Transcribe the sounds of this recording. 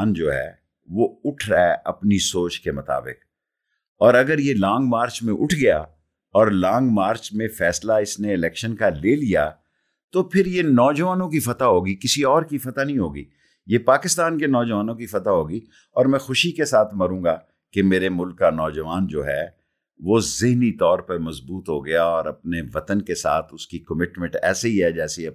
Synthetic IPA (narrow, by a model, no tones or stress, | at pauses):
nd͡ʒoːɦɛ̰ː | ʋoːʊʈʰɾaɛʔɐpnisoːt͡ʃkemʊt̪a̰ːbɪ̰k | ɔːɾɐɡəɾjelɔ̃ːŋɡmaːɾt͡ʃmẽʔʊʈʰɡɐja̰ | ɔːɾlɔ̃ːŋɡmaːɾt͡ʃmẽfɛːslaɪsneɪlɛːkʃənkaleːlija̰ | t̪opʰɪɾjenɔːd͡ʒɐʋaːnõkifɐt̪aɦoːɡikɪsiɔːɾkifɐt̪anɐɦĩɦoːɡḭː | jepaːkɪst̪aːnkenɔːd͡ʒɐʋaːnõkifɐt̪aɦoːɡi | ɔːɾmɛ̃xʊʃikesaːt̪ʰmɐɾũːŋɡa | kemeːɾemʊlkːanɔːd͡ʒɐʋaːnd͡ʒoːɦɛ | ʋoːzɪɦnit̪ɔːɾpɐɾmɐzbuːt̪ɦoɡɐjaɔːɾɐp̚neʋɐt̪ənkesa̰ːt̪ʰʊskikɐmɪʈmɪ̃ɳʈɛ̰ːseɦiɦɛd͡ʒɛːse